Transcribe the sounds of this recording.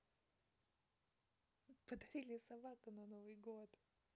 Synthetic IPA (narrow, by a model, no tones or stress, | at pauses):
pəd̪ɐɾʲilʲɪsɐbakʊnɐnovɨjɡot̪